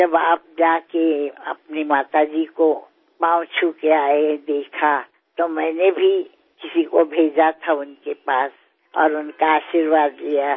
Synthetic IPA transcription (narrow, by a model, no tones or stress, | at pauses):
d͡ʒɐbaːp̚d͡ʒaːkeɐ̰pnimaːt̪ad͡ʒiko | pãʊ̃t͡ʃʰukeaːed̪eːkʰa | t̪omɛ̃ːnebʱi | kɪsikobʱeːd͡ʒat̪ʰaʊnkepaːs | ɔ̰ːɾʊnkaaːʃiɾʋaːd̪lija